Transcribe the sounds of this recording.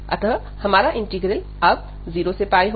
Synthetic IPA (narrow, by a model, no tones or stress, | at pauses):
ə̰t̪əɦ | hɐmaːɾaʔɪ̃ɳʈiɡɾəl | əb̚ | ziːɾosepaːiɦ